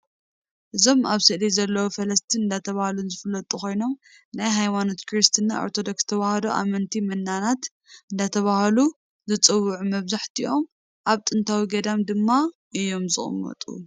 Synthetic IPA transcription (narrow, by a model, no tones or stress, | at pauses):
ʔɨzo̞maβsɨʔlizɐlːɐwofɐlɐst̪ʰinɨnd̪at̪ʰɐβahlunzɨfɨlːɐt̪ʼuko̞jno̞m | najɦajmano̞t̪kɾist̪ʰɨnːa̰o̰ɾt̪ʰo̞d̪okst̪ʰɐβahɐloʔa̰mɐnt̪ʰimɐnːanat̪ | ɨnd̪at̪ʰɐβahɐlu | zɨt͡sʼɨwːuʕumɐβzaħt̪ʰiʔo̞m | ʔaβt̪ʼɨnt̪ʰawiɡɐd̪amd̪ɨmːaʔɨjːo̞mzɨχʼɨ̰mːɐ̰t̪ʼṵ